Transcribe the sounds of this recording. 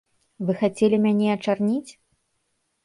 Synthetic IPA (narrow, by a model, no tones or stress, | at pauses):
vɨxat͡sʲɛlʲimʲanʲɛɐt͡ʂarnʲit͡sʲ